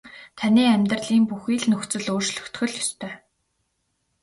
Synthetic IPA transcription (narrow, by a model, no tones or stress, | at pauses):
t̪ʰaniːæmʲt̪rɮiːmpuxiːɮnɵxt͡sɵ̆ɮoːrt͡ɕɮɵ̥̆kt̪xɵ̆ɮjɔst̪ʰœː